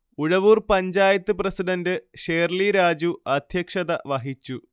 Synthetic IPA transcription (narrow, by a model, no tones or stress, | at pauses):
uɻɐʋuːrpɐɲd͡ʑaːjɐt̪ːɨprɐsiɖɐndɨʂeːrliɾaːd͡ʑuɐd̪ʱjɐkʂɐðɐʋɐɦit͡ɕːu